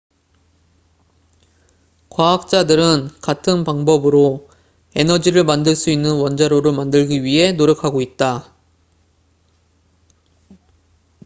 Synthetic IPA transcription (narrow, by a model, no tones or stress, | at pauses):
kwaɦak̚t͡ɕ͈adɯɾɯnkatʰɯnpaŋbʌbɯɾo | e̞nʌd͡ʑiɾɯɭmandɯɭs͈uinːɯnwʌnd͡ʑaɾoɾɯɭmandɯɭɡiɥiɦe̞noɾjʌkʰaɡoit̚t͈a